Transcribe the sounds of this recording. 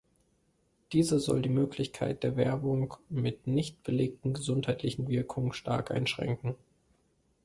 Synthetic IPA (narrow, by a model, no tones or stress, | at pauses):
d̥iːzəzɔ̰ldiːmøːkʰlɪçkʰa̰ɪt̚d̥eːɐvɛɐbʊŋmɪtnɪçt̚b̥əleːk̚tn̩ɡəzʊnthaɪtʰlɪçn̩vɪɐkʰʊŋənʃtʰa̰ɐkʔa̰ɪnʃʁ̥ɛ̰ŋkŋ̩